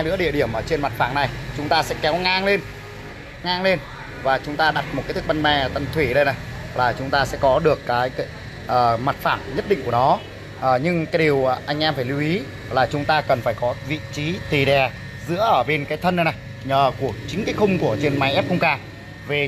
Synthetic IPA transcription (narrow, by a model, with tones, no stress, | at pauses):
jlɨ̰˧˥əɗi˧˩əɗi˧˩əmʔəː˧˩t͡ɕe˧nma˨˩t̚faː˧˩ŋna˨˩jt͡ɕʊ˨˦ŋ͡mt̪aː˧sɛ̰˧˥kɛ˨˦wŋaː˧ŋle˧n | ŋaː˧ŋle˧n | vaː˨˩t͡ɕʊ˨˦ŋ͡mt̪aː˧ɗa˨˩t̚mo˨˩kaː˨˦t̪ʰk̚ɓa˧nmɛ˧˩t̪ə˧nt̪ʰwi˧˩ɗə˧jna˨˩j | laː˨˩t͡ɕʊ˨˦ŋ͡mt̪aː˧sɛ̰˧˥kɔ˨˦ɗɨ˨˩əkːaː˨˦j | ʔəː˨˩ma˨˩t̚faː˧˩mɲə˦˥t̚ɗḭ̈˧˨kənɔ˨˦ | ʔəː˨˩ɲɨ˧ŋkaː˨˦jɗi˨˩əwʔa˧jŋ̟ʔɛ˧mfaː˧˩jlu˨˧wʔi˨˦ | laː˨˩t͡ɕʊ˨˦ŋ͡mt̪aː˧kə˨˩nfaː˧˩jkɔ˨˦vḭ˧˨t͡ɕi˨˦t̪i˨˩ɗɛ˨˩ | zɨ̰˧˥əʔəː˧˩ɓe˧nkaː˨˦jt̪ʰə˧nɗə˧jna˨˩j | ɲəː˨˩ku˧˩ət͡ɕï˨˦ŋ̟kaː˨˦jxə˧ŋ͡mku˧˩ət͡ɕe˧nma˨˦jʔɛ˦˥p̚kə˧ŋ͡mkaː˧ | ve˨˩